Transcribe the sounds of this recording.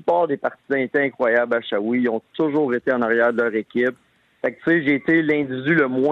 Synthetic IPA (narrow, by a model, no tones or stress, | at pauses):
ypɑːʁd̪epaʁt̪izɑ̃et̪ɛɛ̃kχwajablaʃawiɔ̃t̪ʊʒuːʁet̪eɑ̃naʁjæːʁd̪əlœːʁekʲɪp̚ | fɛk̚t̪seʒeːt̪elɛ̃d̪ivid̪yləmwɛ̃